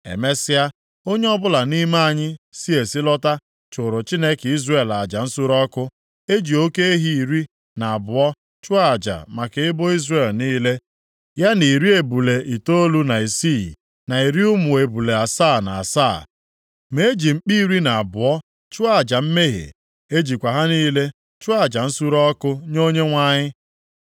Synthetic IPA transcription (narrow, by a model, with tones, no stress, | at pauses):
ḛ˨me˦sɪ˦a˦ | o˦ɲe˦ɔ˦bʊ˦la˨ni˦ma˦a˨ɲɪ˦si˦e˨si˦lɔ˦ta˦ | t͡ʃʊ˨ɾʊ˨t͡ʃi˦ne˦ki˦zre˦˨la˨d͡ʒa˨n̩˦sʊ˦ɾɔ˦kʊ˦ | e˦d͡ʒi˨o˦ke˦e˦ɦi˦i˨ɾi˦ | na˨a˨bʊ˨ɔ˦ | t͡ʃʊ˦a˨d͡ʒa̰˨ma˨ke˨ɪ˦bo˦i˦zre˦˨lniː˦le˦ | ja˦ni˨ɾi˦e˨bu˨le˨ʔi˨to˦lu˦na˨i˨si˦˨ | na˨i˨ɾi˦ʊ˦mʊ˨e˨bu˨le˨a˨sa˦˨na̰˨a˨sa˦˨ | me˨e˦d͡ʒi˨ŋ͡m̩˨k͡pi˦i˦˨ɾi˦na˨a˨bʊ˨ɔ˦ | t͡ʃʊ˦a˨d͡ʒa˨m̩˦me˦ɦḛ˨ | e˦d͡ʒi˨kʷa˨ɦa˦niː˦le˦ | t͡ʃʊ˦a˨d͡ʒa˨n̩˦su˦ɾɔ˦kʊ˦ɲo˦ɲe˦ŋʷa˦ɲɪ˦